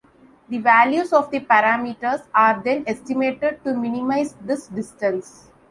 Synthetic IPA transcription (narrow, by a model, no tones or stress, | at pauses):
d̪iʋæljuːzɔːʋd̪ipæɾaːmiʈəɾsaːɾd̪ẽnesʈimeːʈeɖ̚ʈumɪnimaɪzd̪ɪsɖɪsʈə̃ns